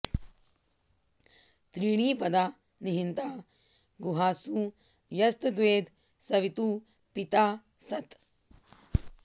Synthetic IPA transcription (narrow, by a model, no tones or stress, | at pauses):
t̪ɾiːɽ̃iːpɐd̪aː | niɦint̪aː | ɡuɦaːsu | jɐst̪d̪ʋeːd̪ | sɐʋit̪uː | pit̪aː | sɐt̪